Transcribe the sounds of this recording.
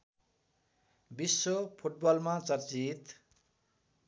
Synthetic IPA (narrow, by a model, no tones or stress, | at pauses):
bisːopʰuʈ̚bʌlmat͡sʌrt͡sit̪